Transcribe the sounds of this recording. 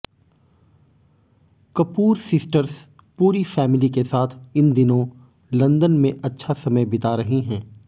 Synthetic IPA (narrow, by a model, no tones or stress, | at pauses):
kɐpuːɾsɪsʈəɾs | puːɾifɛːmɪlikesaːt̪ʰɪnd̪ɪnõ | lɐ̃nd̪ənmẽʔɐtːʃʰasɐməjbɪt̪aɾɐɦeɦɛ̃ː